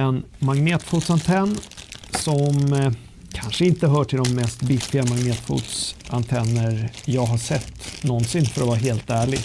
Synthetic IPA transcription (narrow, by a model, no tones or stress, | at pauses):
ɛn | maŋneːt̪fuːt̪sant̪ʰɛnːsɔm | kʰanʂəɪnt̪əɦœːʈʰɪld̪ɔmːɛst̪bɪt̪ɪɡamaŋneːt̪fṵːt̪sant̪ʰɛnːəɾjɑːɡɦaʂɛt̪ːnɔnsɪnːfœɾɔvɑːɾaɦeːlt̪æːɭɪɡ